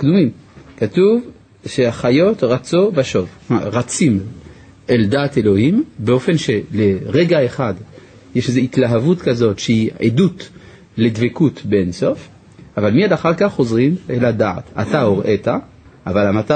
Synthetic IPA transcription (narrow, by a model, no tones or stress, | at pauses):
kd̪umimkatuv | ʃeaχajo̞t̪ʁat͡sobaʃo̞v | ma̰ʁat͡sim | eldaːt̪elo̞himbeo̞fe̞nʃeleʁeɡaeχad̪ | jeʃezeit̪laɦavut̪kazo̞tʃeiḛdut | led̪vekutbeenso̞f | avalmiadaχaʁkaχːo̞zʁimelad̪a̰ːt̪a̰t̪aoʁʔeta | ʔavalamata